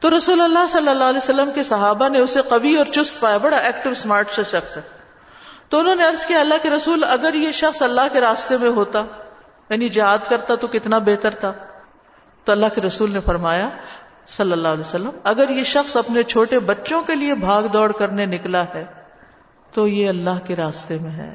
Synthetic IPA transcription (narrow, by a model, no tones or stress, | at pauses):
t̪oɾɐsuːlɐlːasɐlːəlːaːɦlɛːsɐlːəmkesɐɦaːbaneʊseqɐʋiɔːɾt͡ʃʊst̪̚paːjabɐɽaʔɛːkʈɪʋsmaːɾʈʃesɐxsɛː | t̪oʊnɦõːneɐɾzkijaːɐlːaɦkeɾɐsuːlɐɡəɾjeʃɐxsɐlːaɦkeɾaːst̪emẽɦoːt̪a | jaːnid͡ʒɪɦaːd̪kɐɾt̪at̪okɪt̪nabeːt̪əɾt̪ʰaː | t̪oɐlːaɦkeɾɐsuːlnefɐɾmaːja | sɐlːəlːaːɦlɛsɐlːəmɐɡəɾjeʃɐxsɐpnet͡ʃʰoːʈebɐtːʃõkeliebʱaːɡd̪ɔːɽkɐɾnenɪklaɦɛː | t̪ojeɐlːaɦkeɾaːst̪emẽɦɛ̰ː